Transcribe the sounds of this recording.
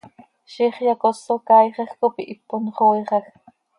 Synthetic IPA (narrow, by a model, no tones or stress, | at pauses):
ʃiχjakosːokɑjχɑxkopiʔipːonχoiχɑx